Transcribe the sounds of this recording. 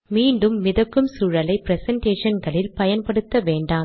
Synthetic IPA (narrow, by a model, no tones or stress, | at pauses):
miːɳɖɯmːɪðɐkːɯmsuːɻɐlɐɪpɪɾɛsɐɳʈeːʂɐnɡɐɭɪlpɐjɐnpɐɽɯt̪ːɐʋeːɳɖaː